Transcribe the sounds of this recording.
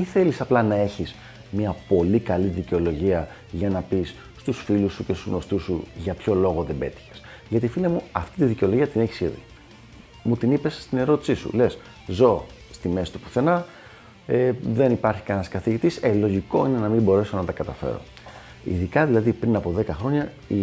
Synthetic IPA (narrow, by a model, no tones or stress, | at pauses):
iθe̞lisɐplɐnɐe̞çis | miɐpo̞likɐliðiceo̞lo̞ʝiɐ | ʝɐnɐpisːt̪usfilusuce̞st̪uno̞st̪usuʝɐpço̞lo̞ɣo̞ðe̞be̞̰t̪i̥çe̥sʝɐt̪ifilemuɐft̪it̪iðiceo̞lo̞ʝiɐt̪ine̞çi̥siðḭ | mut̪inipe̞sːt̪ine̞ɾo̞t̪i̥sisṵle̞s | zo̞ | st̪ime̞si̥t̪u̥pu̥θe̞nɐ | eðe̞nipɐɾçi̥kɐenɐskɐθiʝit̪iselo̞ʝiko̞ine̞nɐmimbo̞ɾe̞sonɐt̪ɐkɐt̪ɐfe̞̰ɾo̰ | ḭðikɐðilɐðipɾinɐpo̞ðe̞kɐxɾo̞ɲɐ | i